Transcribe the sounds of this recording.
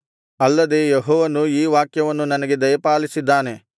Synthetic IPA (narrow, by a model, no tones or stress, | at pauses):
ɐlːɐd̪e̞jeɦɔːʋɐnuiːʋaːkjɐʋɐnːunɐnɐɡe̞d̪ɐjɐpaːlisid̪ːaːne̞